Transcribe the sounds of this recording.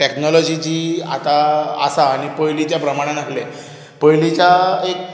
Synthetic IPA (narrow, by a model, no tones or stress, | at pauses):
ʈeknɔlɔd͡ʑid͡ʑiːa̰t̪a̰ːsaːɽ̃ipəjlit͡ɕjapɾəmaɽ̃ãnəkle | pəjlit͡ɕaek